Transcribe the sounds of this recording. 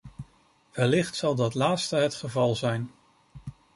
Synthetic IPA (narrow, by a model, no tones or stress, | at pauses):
ʋɛlɪχtsɑlˠdɑtlaːtstəɦətχəvɑlˠzɛjn